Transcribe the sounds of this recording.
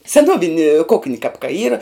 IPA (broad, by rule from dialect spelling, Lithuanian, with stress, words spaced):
sʲɛˈnuɔʋʲɪnʲɪ ˈkʊknʲɪ kɐp kɐ ˈiːrɐ